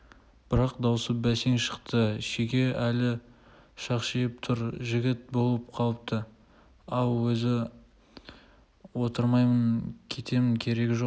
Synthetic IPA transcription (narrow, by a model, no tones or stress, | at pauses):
b̥ɪɾɑqd̪ɑwsəp̚bæseŋʃə̥qt̪əʃeɡʲe̞ælɪ | ʃɑqʃejɪp̚t̪ʰʊɾʒɪɡʲɪt̪̚bo̞lˠəp̚qʰɑlˠəp̚t̪ə | ɑw̪ˠwɵzɪ | wo̞t̪əɾmɑjmənkʲʰe̞t̪ʰe̞mɪŋkʲʰe̞ɾe̞kʲʒo̞q